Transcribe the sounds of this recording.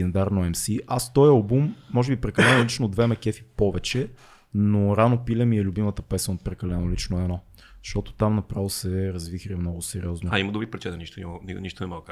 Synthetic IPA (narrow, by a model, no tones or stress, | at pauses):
ɛnd̪aɾnoɛmsiʔast̪ɔjɐlˠbumːɔʒɛbipɾɛkɐlɛnolit͡ʃnod̪vɛmɛkɛfipɔvɛt͡ʃɛ | noɾanopilʲɛmiɛlʲʊbimət̪əpɛsənot̪̚pɾɛkɐlɛnolit͡ʃnoɛnɔ | zɐ̥ʃt̪ɔt̪o̥t̪amnɐpɾavˠosɛɾɐzvixɾiɛmnɔɡʊsɛɾḭɔznoaiməd̪obɾipɾɛt͡ʃɛt̪əniʃt̪onʲininiʃt̪onɛmak